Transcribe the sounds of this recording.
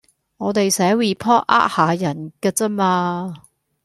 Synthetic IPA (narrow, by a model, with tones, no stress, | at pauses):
ŋɔː˨˧t̪e˨jsɛː˨˥wiː˨˩pʰɔː˥ʔ̚ʔa̰˥ʔ̚haː˨˧jɐ˨˩nkɛː˧t͡sɐ˥maː˧